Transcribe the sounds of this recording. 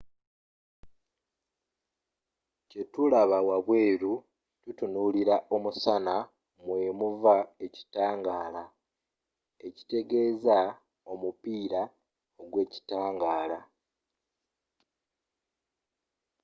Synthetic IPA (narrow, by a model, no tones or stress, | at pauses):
ce̞tulaβawaβwe̞ːɾu | tutunuliɾaʔo̞musana | mwe̞ːmuvae̞ci̥taːŋɡaːla | e̞ci̥te̞ɡe̞ːza | o̞mupiːɾa | oɡwe̞ːci̥taːŋɡaːla